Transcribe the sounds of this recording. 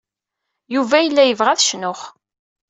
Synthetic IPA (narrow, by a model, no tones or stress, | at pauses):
juvæjəlːæjəvʁæθʃnʊχ